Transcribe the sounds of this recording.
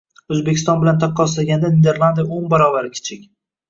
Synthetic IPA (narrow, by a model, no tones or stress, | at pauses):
ɵzbekʲɪ̥st̪ɒnbɪlant̪ʰɑqʰːɒslaɡʲand̪aned̪eɾlˠand̪ijaonbaɾɒbaɾɪkʲʰɪ̥t͡ʃʰɪkʲ